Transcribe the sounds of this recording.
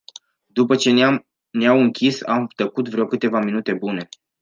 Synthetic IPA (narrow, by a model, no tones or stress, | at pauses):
d̪upət͡ʃe̞ | neawɨŋkʲisamt̪əkut̪vɾeokɨt̪e̞vaminut̪e̞bune̞